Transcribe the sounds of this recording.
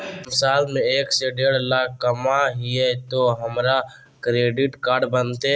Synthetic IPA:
mɪsaːlmẽeːkseɖeːɽ̤laːkʰːəmaɦiɛt̪oɦəmɾa | kɾeːɖɪʈkaːɾɖbənt̪e

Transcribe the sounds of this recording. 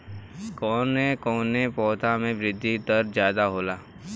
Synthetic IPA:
kɔːnekɔːnepɔːt̪ʰamẽʋɾɪd̪ʱːit̪ɐɾzjaːd̪aɦoːlaː

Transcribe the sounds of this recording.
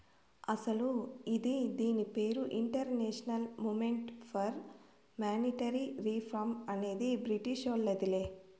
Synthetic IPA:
ɐsɐluid̪id̪iːnipe̞ːɾuʔiɳʈɐɾneːʂɐnɐlmuːmeɳʈpʰɐɾ | maːniʈɐɾiɾiːpʰɾɐmɐne̞ːd̪ibɾiʈiʂolːɐd̪ileː

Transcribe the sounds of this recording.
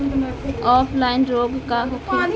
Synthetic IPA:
ɔːpʰlaːɪnɾoːɡkaɦokʰ

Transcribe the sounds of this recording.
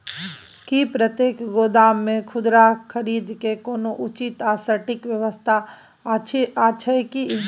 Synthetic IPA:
kipɾət̪jeːkɡoːd̪aːmːẽkʰʊd̪ɾakʰəɾiːd̪kekoːnoʔʊt͡ʃit̪aːsəʈɪkʋjəʋəst̪ʰa | aːʃʰəeki

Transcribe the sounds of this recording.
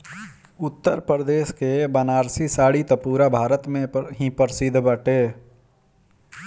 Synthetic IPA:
ʊt̪ːəɾpəɾd̪eːʃkebənaːɾsisaːɽit̪əpuːɾabʱaːɾət̪mẽɦĩpəɾsɪd̪ʱbəʈeː

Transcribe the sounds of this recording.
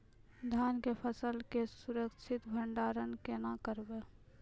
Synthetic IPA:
d̪ʱjaːnkepʰəsəlkesʊɾəkt͡ʃʰɪt̪bʱəɳɖaːɾənkenakəɾbe

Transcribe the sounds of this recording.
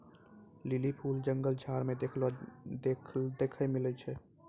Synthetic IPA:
lilipʰuːld͡ʒəŋɡəld͡ʒʱaːɾmẽd̪ekʰlod̪ed̪eːkʰəmɪlət͡ʃʰɛ

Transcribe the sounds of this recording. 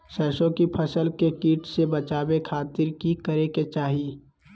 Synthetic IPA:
ʃɛːʃõkipʰəsəlkekiːʈsebət͡ʃaːbekʰaːt̪ɪɾkikəɾeket͡ʃaːɦi

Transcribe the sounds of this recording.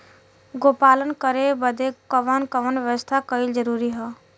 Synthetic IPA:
ɡopalənkəɾebəd̪ekəʋənkəʋənʋjəʋəst̪ʰakəɪld͡ʒəɾuɾiɦə

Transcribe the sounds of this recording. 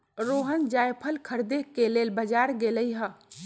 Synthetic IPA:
ɾoɦənd͡ʒaːjpʰəlkʰəɾd̪ekːelelbəd͡ʒaɾɡeləjɦə

